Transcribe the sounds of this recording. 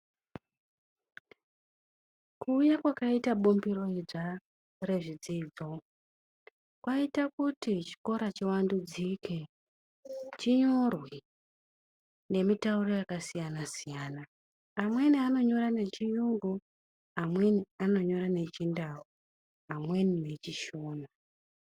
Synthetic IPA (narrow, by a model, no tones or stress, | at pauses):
kuːjakwakaitaɓombiro̞id͡za | re̞ʐid͡zid͡zo̞ | kwaitakutit͡ʃi̥ko̞ɾat͡ʃiwandud͡zike | t͡ʃiɲo̞rwe | ne̞mitauro̞jakasijanasijaːnaː | mwe̞niano̞ɲo̞rane̞t͡ʃijuŋɡu | amwe̞niano̞ɲo̞ɾane̞t͡ʃindao | amwe̞nine̞t͡ʃiʃo̞ːna